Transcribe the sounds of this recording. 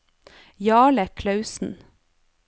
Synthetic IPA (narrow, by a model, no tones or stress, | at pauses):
jɑːɭəkʰlɑʉsn̩